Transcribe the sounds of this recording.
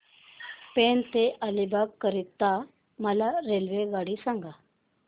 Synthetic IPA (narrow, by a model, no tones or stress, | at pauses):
pent̪eʔalibaɡkːəɾit̪ːa | məlaɾelʋeɡaɽisãŋɡa